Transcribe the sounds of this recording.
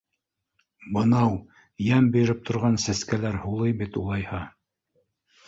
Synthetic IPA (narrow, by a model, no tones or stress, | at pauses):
bɤ̆nɑw | jæmbĭjɾɘp̚t̪ʰŏɾʁɑnsæskælæɾhulˠɤjbit̪ulˠɑjhɑ